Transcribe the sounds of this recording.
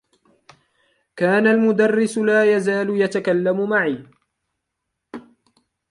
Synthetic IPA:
kaːnalmʊd̪ɑrːɪsʊlaːjazaːlʊjat̪akalːamʊmaʕiː

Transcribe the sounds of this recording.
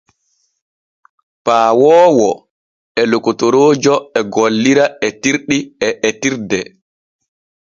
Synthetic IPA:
paːwɔːwɔ | ɛlokutoɾoːd͡ʒɔɛɡolːiɾaɛtiɾɗiɛʔɛtiɾdɛ

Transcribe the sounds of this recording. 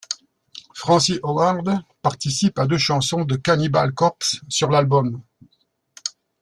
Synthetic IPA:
fχɑ̃siʔɔwaʁd̪paʁt̪isipad̪øʃɑ̃sɔ̃d̪əkaniba̰lkɔʁpsːyʁlalbɔm

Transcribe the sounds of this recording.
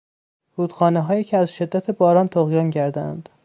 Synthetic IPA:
ɾuːd̪xɒːneɦɒːjicʰeæzʃe̞d̪ːæt̪ʰebɒːɾɒːnt̪ʰoɣjɒːnɟæɾd̪ææ̰nd̪̥

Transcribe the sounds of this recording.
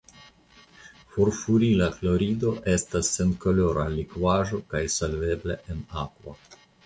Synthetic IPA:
foɾfuɾilaflo̞ɾido̞ʔe̞stasːe̞nko̞lo̞ɾalikvaʒo̞kajsolve̞bleʔenakvo̰

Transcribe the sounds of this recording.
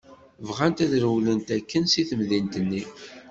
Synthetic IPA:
vʁænt̪æðɾəwlənt̪ækːənsiθəmðint̪ənːi

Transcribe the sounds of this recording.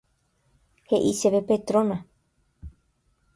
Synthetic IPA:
heʔiseβepet̪ɾõna

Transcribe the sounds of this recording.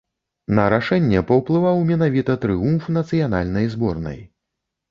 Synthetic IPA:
nɐɾaʂɛnʲːɛpɐwplˠɨvawmʲɛnavʲit̪ɐt̪ɾɨumfnɐt̪sɨjan̪a̰lʲnɐjzbɔrnɐ̰j

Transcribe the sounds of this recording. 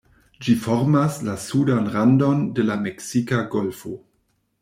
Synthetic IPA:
d͡ʒifoɾmaslasudanʁando̞ndelameksikaɡo̞lfo

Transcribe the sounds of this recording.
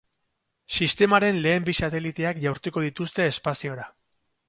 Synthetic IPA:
sist̪e̞maɾe̞nle̞ːmbisat̪e̞lit̪e̞akʝawɾt̪uko̞ð̞it̪ust̪e̞ːspasio̞ɾa

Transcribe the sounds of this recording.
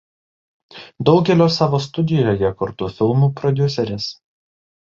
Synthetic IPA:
d̪ɒʊɡʲɛlʲoːsɑːʋoːst̪ʊd̪ʲɪjoːjɛkʊɾt̪ʊfʲɪlˠmuːpɾɔd̪ʲʊsʲɛɾʲɪs

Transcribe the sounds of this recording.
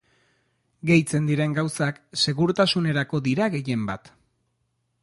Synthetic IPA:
ɡe̞jt͡se̞nd̪iɾe̞ŋɡawsakse̞ɣuɾt̪asune̞ɾako̞ðiɾaɣe̞je̞mbat̪

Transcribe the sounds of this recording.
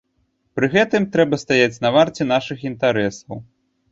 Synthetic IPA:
pɾɨɣɛt̪ɨmt̪ɾɛbɐst̪ajat͡sʲnɐvart͡sʲɛn̪aʂɨxint̪aɾɛsɐw

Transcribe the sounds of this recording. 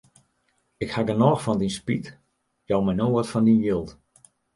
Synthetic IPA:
ɪkhaɡənɔːxfɔndinspit | jɔwmɛnoətfɔndinjɪlˠt

